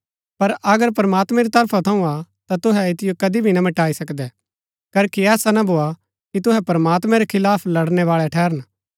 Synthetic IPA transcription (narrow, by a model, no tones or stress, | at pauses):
pɐɾɐɡəɾpɾɐmaːt̪mɛ̃ɾit̪ɐɾpʰat̪ʰɐ̃ũat̪at̪ʊɦɛɪt̪ɪjokɐd̪ibʱinɐmɐʈaːisɐkd̪ɛ | kɐɾkiɛːsanɐbʱoːa | kit̪ʊɦɛpɐɾəmaːt̪mɛ̃ɾɛkʰɪlaːpʰlɐɽnɛʋaːɭɛʈʰɛːɾən